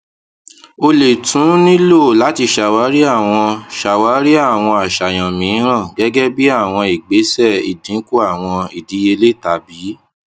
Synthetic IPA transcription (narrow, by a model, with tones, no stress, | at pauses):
o˧le˨tũ˨˦nĩ˦lo˦˨la˨˦ti˧ʃa˨wa˨˦ɾi˦a˦˨w̃ɔ̃˧ʃa˨wa˨˦ɾi˦a˦˨w̃ɔ̃˧a˨ʃa˨j̃ã˨mĩ˨˦ɾ̃ã˦˨ɡɛ˨˦ɡɛ˦bi˦a˦˨w̃ɔ̃˧i˨ɡ͡be˨˦sɛ˦˨i˨dĩ˨˦ku˦a˦˨w̃ɔ̃˧i˨di˨˦je˧le˦˨ta˧biː˨˦